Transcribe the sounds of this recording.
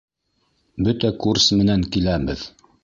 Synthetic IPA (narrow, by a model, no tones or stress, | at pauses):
bɵt̪ækursmɘ̆næŋkilæbɘð